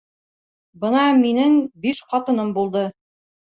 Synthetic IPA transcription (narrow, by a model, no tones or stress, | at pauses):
bɤnɑminɘŋbiʃqɒt̪ɤ̆nɤmbulˠd̪ɤ